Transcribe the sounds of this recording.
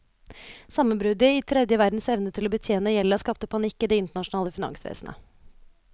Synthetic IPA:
sɑmənbɾʉd̪ɪiːt̪ʰɾɛd̪jəʋæɾd̪n̩sɛʋnət̪ʰɪloːbət̪ʰjeːnəjɛlːəskɑp̚t̪əpʰɑnɪkːiːd̪ɛːɪnt̪əɳɑʂnɑːləfɪnɑ̰ŋsʋḛːsnʔə̰

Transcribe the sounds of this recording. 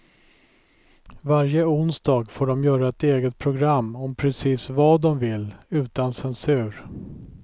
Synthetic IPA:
vaɾjəʊnsd̪ɑːɡfoːɖɔmjœːɾaɛt̪eːɡət̪̚pʰɾʊɡɾamːɔmpʰɾɛsiːsvɑːd̪ɔmvɪlʉ̟ːt̪ansɛnsʉ̟ːɾ

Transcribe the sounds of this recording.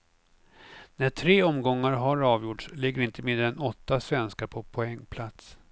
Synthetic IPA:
næʈʰɾeːɔmɡɔŋːaɾɦaɾɑːvjʊʈʂlɪɡːəɾɪnt̪əmɪnd̪əɾɛnɔt̪ːasvɛnskaɾpʰɔpʰɔɛŋːpʰlat̪s

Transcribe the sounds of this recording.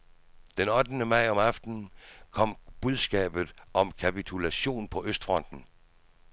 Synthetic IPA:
d̥enɒ̽d̥nəmɑ̈ɪ̰ɒ̽mɑfd̥n̩kʰɒ̽m̰b̥uð̞ˠsɡ̥ɛ̰ːb̥ð̞̩ˠʔɒ̽mkʰæpit͡sʰulæɕo̝̰ːnpʰɒ̽ʔøsd̥fʁɒ̽n̰d̥n̩

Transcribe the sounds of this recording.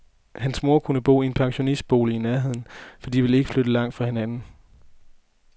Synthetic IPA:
hænsmo̝ɐkʰunəb̥o̝̰ːie̝npʰɑ̈ŋɕo̝nisd̥̚b̥o̝̰ːləinæɐɦe̝ð̞̰ˠn̩fɒ̽d̥ḭːʋe̝le̝ɡ̥əflød̥əlɑ̈ŋ̰d̥fʁɑ̈he̝nænn̩

